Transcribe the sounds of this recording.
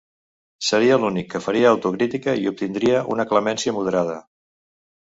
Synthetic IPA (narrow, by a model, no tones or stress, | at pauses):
səɾiəlunikːəfəɾiəːwt̪ukɾit̪ikəiup̚t̪ind̪ɾiəʔṵnəkləmɛnsiəmuð̞əɾað̞ə